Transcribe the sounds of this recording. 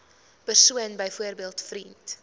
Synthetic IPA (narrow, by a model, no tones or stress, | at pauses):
pərsuənbəjfuərbiəlˠtfrint